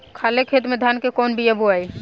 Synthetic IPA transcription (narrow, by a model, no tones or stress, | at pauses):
kʰalekʰet̪med̪ʱankekɔnbʱijəbʱuaj